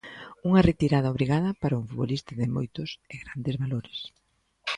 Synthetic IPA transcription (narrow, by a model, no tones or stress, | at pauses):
uŋɐret̪iɾaðɐoβɾiɣað̞ɐpaɾɐuŋfut̪βolist̪aðɪmojt̪ʊseɣɾand̪ezβaloɾɪs